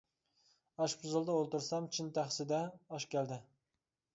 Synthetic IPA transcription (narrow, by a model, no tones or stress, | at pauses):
ɑʃpʰʊzɨlˠd̪ɑolˠt̪uɾsɑmt͡ʃʰint̪ʰæχsɪd̪ɛɑʃkʲʰæld̪ɪ